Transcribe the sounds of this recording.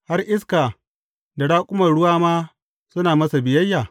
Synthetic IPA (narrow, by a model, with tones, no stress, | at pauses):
ha˦rʔɪ˦skaː˨ | da˨ɽaː˦kʷʼʊ˦mɐ˨rɽʊ˦waː˦maː˦ | sʊ˦naː˨mɐ˦sa˨bɪ˨jɐ˦jːaː˨